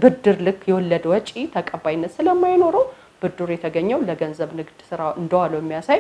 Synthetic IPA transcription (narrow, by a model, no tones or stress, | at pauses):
bɨd̪ːɨɾlɨkːjɛwɔlːəd̪wɔt͡ʃʼit̪ʰəkʼəbajinːət̪sɨləmːajno̞ɾəw | b̥ɨd̪ːɨɾjɛt̪ʰəɡəɲːɛwləɡənzəβnɨɡd̪sɨɾaʔɨnd̪əwalːəjɛmːijasaj